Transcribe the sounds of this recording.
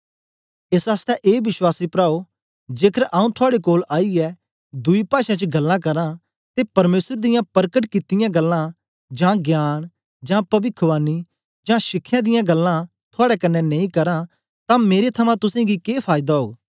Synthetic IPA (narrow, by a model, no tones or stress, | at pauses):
esaːst̪ɛʔeːʋɪʃwaːsipɾaːo | d͡ʒeːkʰəɾʔaːũt̪ʰʊaːɽekoːlaːiɛ | d̪ʊipaːʃãt͡ʃəɡɐlːãk̬ɐɾã | t̪epɐɾmeːsəɾd̪ɪjãpɐɾkəʈkɪt̪ɪjãɡəlːã | d͡ʒãːɡjaːñ | d͡ʒãːpɐbɪkʰʋaːni | d͡ʒãːʃɪkʰːjãd̪ɪjãɡəlːã | t̪ʰʊaːɽɛkɐnːɛnɐ̃ĩkɐɾã | t̪ãmeːɾet̪ʰɐmãt̪ʊsẽɡikeːpʰaːjɪd̪aɦo̰ːɡ